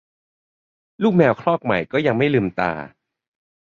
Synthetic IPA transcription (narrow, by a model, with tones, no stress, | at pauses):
luː˥˩k̚mɛː˧wkʰlɔː˥˩k̚ma̰˨˩jkɔː˥˩ja˧ŋma˥˩jlɯː˧mt̪a̰ː˧